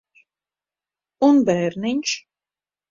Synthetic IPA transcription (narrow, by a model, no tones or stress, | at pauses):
unbæːɾniɲʲʃ